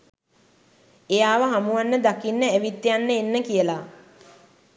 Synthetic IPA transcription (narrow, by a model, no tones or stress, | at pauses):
ejaːʋəɦamuʋanːəd̪akinːəæʋit̪ːejanːəenːəkijəla